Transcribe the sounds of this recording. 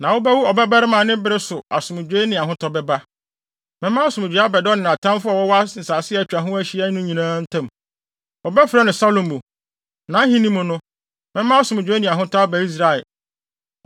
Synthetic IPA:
nã˨wo˦bɛ˦wu˦ɔ˨bɛ˦ba˦ɾɪ˦mã˨nɪ̃˦bɪ˦ɾɪ˦sʊ˨a˨sʊ̃˨m˨d͡ʑᶣeː˦nɪ̃˨a˨ɦʊ̃˦tʰɔ˦bɛ˦ba˦ | mɪ̃˦mã˦sʊ̃˨m˨d͡ʑᶣa˦bɛ˨dɔ˦nɪ̃˨a˨tʰã˦mfʊ˦a˨wɔ˦wa˦n̩˨saː˨sɪ˦ɛ˨t͡ɕᶣa˨ɦʊ̃˦æ˦ɕi˦ɛ˦nʊ̃˦ɲĩ˨nãː˦n̩˦tʰã˦˨m | ɔ˨bɛ˦fɾɛ˦nɪ̃˨sa˦lõ˨mbo˨ | nã˨˦ɦĩ˦nĩ˦mʊ̃˨nʊ̃˦ | mɪ̃˦ã˦a˦sʊ̃˨m˨d͡ʑᶣe˨˦nĩ˨a˨ɦʊ̃˦tʰɔ˦a˦bæ˨i˦s̬ɾa˨ɛ˨l

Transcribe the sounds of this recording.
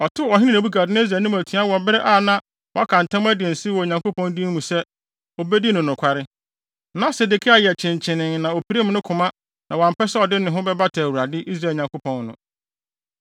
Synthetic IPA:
ɔ˨tʰʊ˦ɔ˨ɦɪ̃˦nɪ̃˦˨æ˨bu˦ɡa˨dɪ˦nã˦s̬ɾaː˨nũ˦æ˨tʰĩ˨˦a˦wɔ˨bɪ˦ɾɪ˦ʔaː˦˨nã˦ | wɔ˨a˦kʰã˨n˨tʰã˦m˦æ˦dɪ˨ɛ˨n̩˨sɪ˦wɔ˨ɲã˨ŋko˦pɔ̃˦n˦di˦mũ˨sɛ˦ | ɔ˨be˦di˦nʊ̃˨nʊ̃˨kʰʷa˨ɾɪ˦ | nã˦se˨de˨kʰɪ˦a˨jɛ˨t͡ɕʰɪ̃˨ɲ˨t͡ɕʰɪ̃˨nɪ̃˨ŋnã˨ɔ˨pʰi˨ɾe˦m̃˦nʊ̃˦kʰʊ̃˨mã˦ | nã˨wã˨m˨pɛ˦sɛ˦ɔ˨dɪ˦nɪ̃˨ɦʊ̃˦bɛ˦ba˦tʰa˨wu˨ɾa˨dɪ˦ʔi˦s̬ɾa˨ɲã˨ŋko˦pʰɔ̃˨nnʊ̰̃˨

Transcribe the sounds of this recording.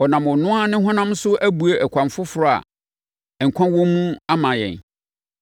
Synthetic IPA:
ɔ˨nã˨mʊ̃˨nʊ̃˦a˦nɪ̃˦ɦɔ̃˦nã˦m˦sʊ˦ʔæ˦bu˨e˨ʔɛ˨kʷʰã˨mfʊ˦fʊ˨ɾʊ˦a̰˨ | ɛ˨ŋ̩˨kʰʷã˦nwɔ̃˦mũ˦a˦mã˨jɛ̰˨n

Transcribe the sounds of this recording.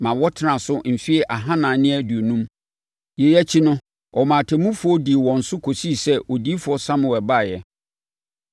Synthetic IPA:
mã˨wɔ˦tʰɪ˨nã˨sʊ˦m̩˨fi˦ɛ˨ʔa˨ɦã˦nãː˨nɪ̃˦æ˨du˨o˨nũ˦m | jɛ˨jɛ˦t͡ɕʰi˦nʊ̃˦ | ɔ˨mãː˨tʰɛ˨mũ˦fʊ˦ɔ˦di˨wɔ̃˨n̩˨sʊ˦kʰo˨si˦˨sɛ˦wɔ˨di˦fʊ˨ɔ˦sã˦m˨ɛ˨ba˦˨jɛ˨

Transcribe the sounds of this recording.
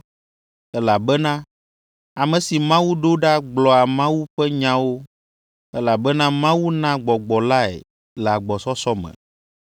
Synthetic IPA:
ɛ˦la˨bɛ˦nã˦ | a˨mɛ̃˨si˨mã˦wu˦ɖo˦ɖa˦ɡ͡blɔ˨a˨mã˦wu˦ɸɛ˦ɲã˦wo˦ | ɛ˦la˨bɛ˦nã˦mã˦wu˦nã˦ɡ͡bɔ˨ɡ͡bɔ˨la˦ɛ̰˨ | lɛ˨a˨ɡ͡bɔ˨sɔ˦sɔ˦mɛ̰̃˨

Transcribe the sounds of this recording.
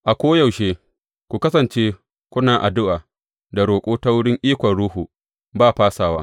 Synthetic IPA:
ʔa˨kʷoː˦ja˨wʃeː˦ | kʷu˨kɐ˦sɐ˨nt͡ʃeː˦ | kʷʊ˦naː˨ʔa˨dʊ˦ʔaː˨ | da˨ɽoː˨kʷʼoː˦ta˦wʊ˦ɽɪ˦ŋʔiː˦kʷɐ˨nɽuː˦ɦuː˨ | baː˦ɸaː˦saː˨waː˦

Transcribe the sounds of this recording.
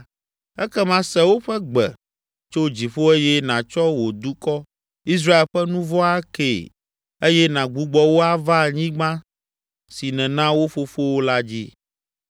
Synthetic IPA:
ɛ˦kɛ˦mã˦sɛ˦wo˦ɸɛ˦ɡ͡bɛ˨ | t͡ʃo˦d͡ʑi˨ɸo˦e˦jɛ˦nã˨t͡ʃɔ˦wo˨d̪u˦kɔ˦ | i˦s̬ɾa˦e˨lɸɛ˦nũ˦vɔ˦a˦kḛ˨ | e˦jɛ˦nã˨ɡ͡bu˨˦ɡ͡bɔ˦wo˦a˦va˦˨ɲĩ˦ɡ͡bã˦ | si˨nɛ̃˨nã˦wo˦ɸo˦fo˦wo˦la˦d͡ʑi˦

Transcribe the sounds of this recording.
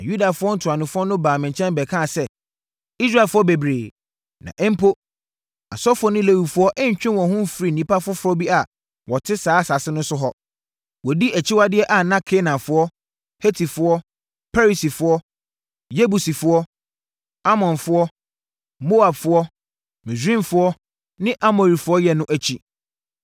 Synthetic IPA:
ã˨ju˦da˨fʊ˦ɔ˦n̩˨tʰʊ˨a˨nʊ̃˨fʊ˦ɔ˦nʊ̃˦baː˨mɪ̃˨ɲ˨t͡ɕʰɛ̃˦m˦bɛ˨kʰãː˦˨sɛ˦ | i˦s̬ɾa˦˨fʊ˦ɔ˦be˨bɾeː˨ | nã̰˨ʔɛ˦m̩˦pʰo˦ | a̰˨sɔ˦fʊ˦ɔ˦nʊ̃˦le˦wu˨fʊ˦ɔ˦ʔɛ˦ɲ˨t͡ɕᶣɪ̃˦nwɔ̃˨ɦʊ̃˦m̩˦fɾi˦n̩˨nĩ˦pa˦fʊ˦ɔ˦fʊ˦ɔ˦bi˦a˨ | wɔ˨tʰɪ˦saː˨˦˨sa˨sɪ˦nʊ̃˦nsʊ˦ɦɔ˦ | wɔ˨di˦æ˨t͡ɕʰi˦wa˦dɪ˦ɛ˦ʔa˨nã˦kʰe˦nã˨fʊ˦ɔ˦ | he˦tʰi˨fʊ˦ɔ˦ | pʰa˦ɾi˨si˨fʊ˦ɔ˦ | je˦bu˨si˨fʊ˦ɔ˦ | a˦mɔ̃˨nfʊ˦ɔ˦ | mo˦a˨bfʊ˦ɔ˦ | mĩ˨sĩ˦fʊ˦ɔ˦ | nɪ̃˦ʔa˦mo˨ɾi˨fʊ˦ɔ˦jɛ˨nʊ̃˦ʔæ˨t͡ɕʰi˦

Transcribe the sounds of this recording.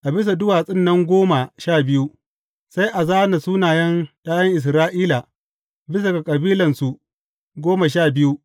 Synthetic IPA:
ʔa˨bɪ˦s̬a˨dʊ˦waː˨sʼɪ˦nːɐ˦ŋɡʷoː˦ma˨ʃaː˦˨bɪ˦ju˦ | sa˦jʔa˨zaː˦na˨suː˦naː˨jɐ˦nɗaː˦jɐ˦ŋʔɪ˨s̬ɾaː˦ʔiː˦la˨ | bɪ˦s̬a˨ɡa˨kʼɐ˨biː˦lɐ˨nsu˨ | ɡʷoː˦ma˨ʃ̬aː˦˨bɪ˦ju˦

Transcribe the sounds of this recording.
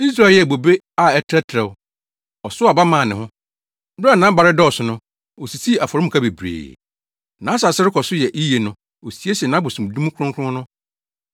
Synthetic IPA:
i˦s̬ɾa˦˨lbo˨be˦ | a˦˨ɛ˦tʰɾɛ˦tʰɾɛ˨w | ɔ˨sʊ˦a˨ba˦mãː˨nɪ̃˨ɦʊ̃˦ | bɾa˦˨nã˨˦ba˨ɾɪ˦dɔ˦ɔ˨sʊ˨nʊ̃˦ | o˨si˨sʰi˦˨a˨fɔ˨ɾɪ˦m̩˨kʰa˦be˨bɾḛː˨ | nã˨˦sa˨sɪ˦ɾɪ˦kʰɔ˨sʊ˦jɛ˨ʔi˦je˨nʊ̃˦ | o˨si˨˦e˦snã˨˦bʊ˨sũ˨m˨du˦ũ˦kʰʊ˦ʊ̃˦ŋkʰʊ̃˦nʊ̃˦

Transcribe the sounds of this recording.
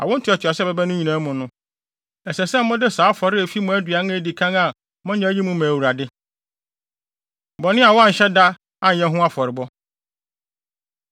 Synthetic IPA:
a̰˨wʊ˦n̩˦tʰɪ˨˦ɔ˨t͡ɕʰɪ˨a˨sɛ˦bɛ˦bɛ˦nʊ̃˦ɲĩ˨nã˨˦mʊ̃˨nʊ̃˦ | ɛ˨sɛ˨sɛ˦mː˦ʊ̃˦dɪ˦saː˨˦fɔ˨ɾɪ˦e˨fi˦mʊ̃˦æ˦dɥa˨nʊ̃˦e˨di˨kʰã˦ŋa˨ | mʊ̃˦ɲã˨˦ji˦mʊ̃˦mãː˨wu˨ɾa˨dɪ˦ | bɔ˨nɪ̃˦a˨wɔ˦a˦˨ɲ̩˨ɕɛ˦da˦ | a˨ɛ̃˦ɦʊ̃˦a˦fɔ˨ɾɪ˨bɔ˦

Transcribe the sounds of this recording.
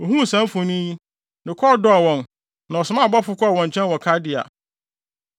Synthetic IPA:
ɔ˨ɦũ˦˨sã˦m˦fʊ̃˨nĩ˦ji˦ | nɪ̃˨kʰɔ˦˨dɔ˦a˨wɔ̃˨n | nã˨ɔ˨sʊ˨mã˦˨bɔ˦fʊ˦kʰɔ˦˨wɔ̃˨ɲ˨t͡ɕʰɛ̃˦nwɔ˨kʰa˦dɪ˨a̰˨

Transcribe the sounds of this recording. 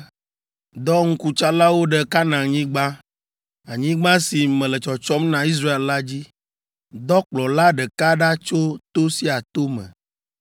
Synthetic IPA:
d̪ɔ˦ŋ̩˦ku˦t͡ʃa˦la˦wo˦ɖɛ˨ka˦nã˨ɲĩ˦ɡ͡bã˦ | a˨ɲĩ˦ɡ͡bã˦si˨mɛ̃˨lɛ˨t͡ʃɔ˨t͡ʃɔ˦mnã˨i˦s̬ɾa˦e˨lla˦d͡ʑi˦ | d̪ɔ˦k͡plɔ˨la˦ɖɛ˨ka˦ɖa˦t͡ʃo˦t̪o˦si˦a˨t̪o˦mɛ̰̃˨

